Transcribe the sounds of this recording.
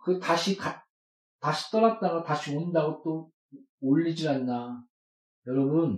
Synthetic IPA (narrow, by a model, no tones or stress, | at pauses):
kɯtaɕʰika | taɕʰi̥t͈ʌɾat̚t͈anʌtaɕʰionindaɡot͈o | oʎːid͡ʑianːa | jʌɾʌbun